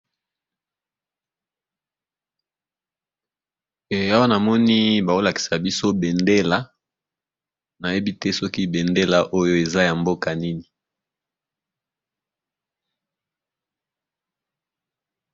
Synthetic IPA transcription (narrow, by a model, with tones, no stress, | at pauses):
e˨a˦wa˦na˨mɔ˦ni˦ba˨o˦la˨ki̥˨sa˨bi˦so˦be˨nde˦la˨ | na˨je˦bi˦tɛ˦sɔ˦ki˦be˨nde˦la˨ʔo˦jo˦e˨za˦ja˨mbo˦ka˨ni˦ni˨